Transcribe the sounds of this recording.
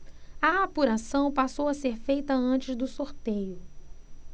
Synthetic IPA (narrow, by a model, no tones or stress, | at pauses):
ɐapuɾasɐ̃w̃pasowɐseɾfejt̪ɐɐ̃t͡ʃɪzd̪ʊsoɾt̪ejʊ